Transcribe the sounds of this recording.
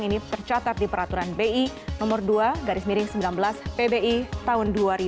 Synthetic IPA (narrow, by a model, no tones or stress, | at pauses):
ŋinit̪ərt͡ʃat̪at̪̚dipəɾat̪uɾanbeinɔmʊrduaɡaɾɪsmiɾɪŋsəmbilanbəlaspebeit̪aɦʊnduaɾi